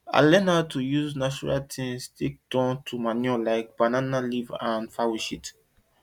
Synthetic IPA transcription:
a̰lɛ̃natujuznat͡ʃuɹa̰ltʰĩŋstʰek̚d̥ɔ̃ntʰumaniɔlaɪk̚b̥ananalivãnfawiʃit

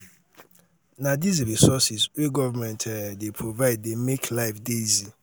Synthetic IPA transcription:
nadizɾisɔsisweɡɔvamɛ̃ntʰɛdepʰɹovaɪd̚ːemeklaɪfdezi

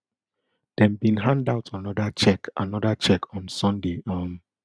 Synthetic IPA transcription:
d̥ɛ̃mbĩnɦãndaʊtʰanɔdat͡ʃɛkʔa̰nɔdat͡ʃɛkʰɔ̃nsɔ̃ndeʔɔm

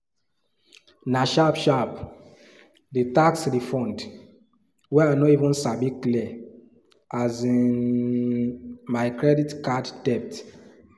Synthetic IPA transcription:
naʃabʃap | ditaksdifɔ̃nd | wɛajnɔivɔ̃nsabikliɛ | ʔazĩn | maɪkɹɛditkadd̥ɛp̚t

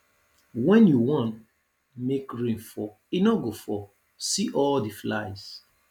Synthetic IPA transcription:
wɛ̃njuwɔ̃nt | mekɹĩnfɔ | inɔɡofɔ | siʔɔldiflajs

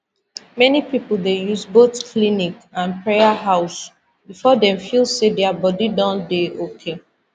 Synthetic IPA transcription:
mɛnipipl̩ˠdejuzboθkʰlinikãnpɹejaɦaʊs | bifɔdɛ̃mfilˠsedɛabɔdidɔ̃ndeʔokʰe

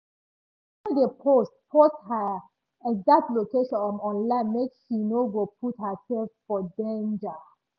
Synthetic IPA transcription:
ədəpʰost̚pʰɔthə | ɛɡzak̚tlokeʃɔ̃nɔ̃nɔ̃nlãɪ̃nmekʃinoɡopʰuthəsɛlffɔdẽnd͡ʒə

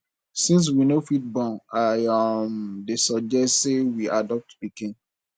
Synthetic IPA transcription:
sĩns̬winofit̚bɔ̃naɔmdesɔd͡ʒɛsewiʔadɔp̚tbikẽn

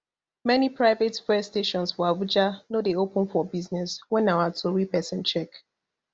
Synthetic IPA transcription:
mɛnipɹaɪvetfɛsteʃɔ̃nsfɔavud͡ʒanodeopə̃nfɔbiznɛswɛ̃nawatʰuɹipɛsɛ̃nt͡ʃɛk

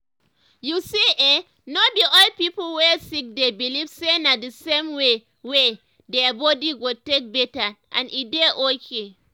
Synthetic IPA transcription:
jusie | nobiʔɔlpipolwɛsik̚debilivsenadəsẽmwe | we | dɛbɔdiɡotek̚bɛtaʔã̰nʔideʔokʰe

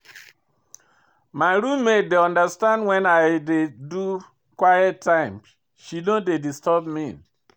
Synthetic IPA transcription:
maɪɾũmmːed̚deɔ̃ndəstãndwɛ̃naɪdedu | kwaɪɛttʰːãɪ̃m | ʃidodedistʰɔbmin

